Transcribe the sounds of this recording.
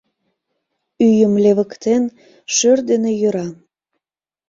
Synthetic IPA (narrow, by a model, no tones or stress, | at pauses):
yjəmleβəkt̪en | ʃørd̪enejøɾɑ